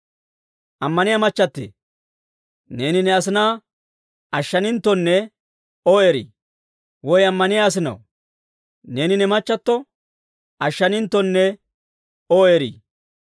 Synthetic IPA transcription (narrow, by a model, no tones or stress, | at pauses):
ʔɐmːɐnɪjamɐt͡ʃːɐt̪ːḛ | ne̞ːnɪnɛɐs̬ɪnaː | ʔɐʃːɐnɪnt̪ːɔnːɛ | oːeɾḭː | wɔjɐmːɐnɪjaːs̬ɪnɐ̰w | ne̞ːnɪnɛmɐt͡ʃːɐt̪ːɔ | ʔɐʃːɐnɪnt̪ːɔnːɛ | oːeːɾḭː